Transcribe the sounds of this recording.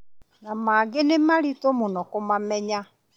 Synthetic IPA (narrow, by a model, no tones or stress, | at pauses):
namaːɡɪnemaɾitomʊnɔkʊmamɛɲa